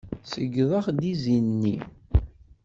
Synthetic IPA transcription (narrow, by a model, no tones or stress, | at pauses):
səɡðˤɑχd̪izinnːi